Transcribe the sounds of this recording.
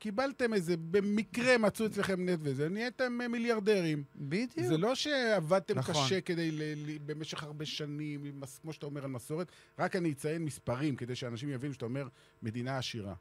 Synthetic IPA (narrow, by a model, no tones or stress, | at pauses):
kibalt̪e̞meze̞be̞mikʁe̞mat͡suet͡sleχe̞mnet̪vezeniet̪ememiljaʁd̪e̞ʁimbid̪jzuelo̞ʃeavad̪̚t̪emkaʃe̞ke̞d̪ejlelibe̞meʃe̞χaʁbe̞ʃanimmaskmo̞ʃeat̪aomeʁalmaso̞ʁet̪ | ʁakaniit͡sajenmispaʁimke̞d̪e̞jʃeanaʃimjavinuʃat̪aomeʁ | me̞d̪inaːʃiʁa̰